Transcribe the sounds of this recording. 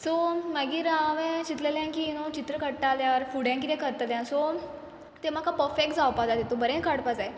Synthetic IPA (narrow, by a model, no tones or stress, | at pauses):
sɔməɡiːɾaʋɛ̃t͡ɕit̪leljãkiːnõt͡ɕit̪ɾəkəɽʈaljaʋəɾfuɽjãŋkit̪ɛ̃kəɾt̪ljãsɔ | t̪emakʰapəfekd͡zawpad̪ad̪et̪obəɾẽnkʰəɽpad͡zae